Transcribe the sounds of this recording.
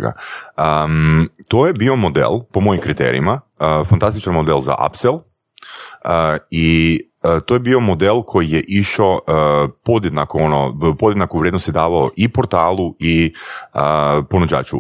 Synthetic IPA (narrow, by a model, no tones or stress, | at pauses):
ɡa̰ə | t̪ojebio̞mo̞d̪ḛlˠpo̞mo̞jimkɾit̪e̞̰ɾḭimafant̪ast̪it͡ʃanmo̞d̪elˠza̰ʔa̰pselˠ | i | ət̪oːjebiːo̞mo̞d̪elˠkʰo̞jijeʔiʃopo̞d̪jed̪nakoonopod̪jed̪nakuʋɾjed̪nost̪jed̪aːʋaoʔipo̞ɾt̪aːlˠuiəpo̞nud͡ʑa̰ːt͡ʃu